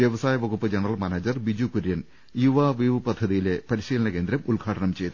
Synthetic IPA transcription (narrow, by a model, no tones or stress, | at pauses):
ʋjɐʋɐsaːjɐʋɐɣupːɨd͡ʑeɳrɐlmaneːd͡ʑɐrbid͡ʑukuɾjɐn | juʋaːʋiːʋɨpɐd̪ʱːɐðijile̞pɐɾiɕiːlɐnɐkeːnd̪ɾɐmulɡʱaːʈɐɳɐmt͡ɕe̞jt̪ːɨ